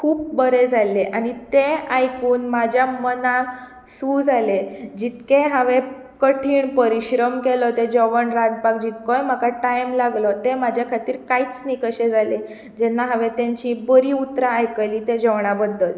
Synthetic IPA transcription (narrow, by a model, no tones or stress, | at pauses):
kʰuːp̚bəɾed͡zʱaleʔañit̪eajkuːnmad͡ʑʱjaməna | suːd͡zʱaled͡ʑit̪keɦaʋe | kəʈʰiːɳpəɾiɕɾəmkɛlɔt̪ed͡ʑəʋəɳɾãd̪pak̚d͡ʑit̪̚kɔjm̤akaʈajmlaɡlɔt̪emad͡ʑʱjakʰat̪iːɾkait͡snikəɕed͡zale | d͡ʑɛnːaɦaʋet̪ãɲt͡ɕibəɾiut̪ɾaːjkəliːt̪ed͡ʑəʋɳabəd̪ːəl